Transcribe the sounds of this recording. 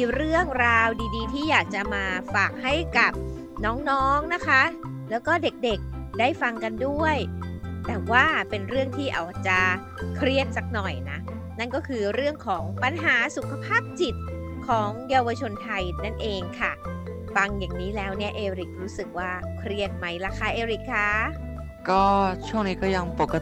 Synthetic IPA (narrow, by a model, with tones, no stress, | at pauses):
ɾɯ˥˩əŋɾaː˧wdiː˧diː˧t̪ʰiː˥˩jaː˨˩k̚t͡ɕa˨˩ʔmaː˧faː˨˩k̚ɦa˥˩jka˨˩p̚ | nɔː˦˥ŋnɔː˦˥ŋna˦˥kʰa˦˥ | lɛː˦˥wkɔː˥˩de˨˩k̚de˨˩k̚daː˥˩jfa˧ŋka˧ndu˥˩əjt̪ɛː˨˩waː˥˩pe˧nɾɯ˥˩əŋt̪ʰiː˥˩ʔa̰˨˩wʔa˨˩k̚t͡ɕa˨˩ | kʰɾi˥˩ət̪̚sa˨˩k̚nɔ˨˩jna˦˥ | na˥˩nkɔː˥˩kʰɯː˧ɾɯ˥˩əŋkʰɔː˩˦ŋpa˧nɦaː˩˦su˨˩kʰa˧pʰaː˥˩p̚t͡ɕi˨˩t̪̚ | kʰɔː˩˦ŋjaː˧wa˧t͡ɕʰo˧nt̪ʰa˧jna˥˩nʔeː˧ŋkʰa˥˩ | fa˧ŋjaː˨˩ŋniː˦˥lɛː˦˥wni˥˩əʔeː˧ɾi˨˩k̚ɾuː˦˥sɯ˨˩k̚waː˥˩kʰɾi˥˩ət̪̚ma˦˥jla˦˥kʰa˦˥˩ʔeː˧ɾi˨˩kʰːaː˧˩ | kɔː˥˩t͡ɕʰu˥˩ŋniː˦˥kɔː˥˩ja˧ŋpo˨˩kːa˧